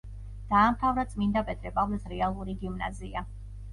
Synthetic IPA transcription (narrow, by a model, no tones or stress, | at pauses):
d̪̥aːmt̪ʰavɾad̪sʼmind̪apʼɛt̪ʰɾɛpʼavlɛsɾɛalˠuɾiɡimna̰zia